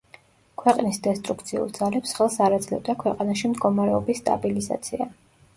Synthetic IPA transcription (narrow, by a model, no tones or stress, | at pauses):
kʰwɛqʼnisd̪ɛst̪ʼɾukt̪sʰiṵlˠd̪zalɛpsχɛlˠsaɾad̪zlɛ̰vd̪akʰwɛqʼanaʃimd̪ɡɔmaɾɛɔbisːt̪ʼa̰biliza̰t̪sʰia̰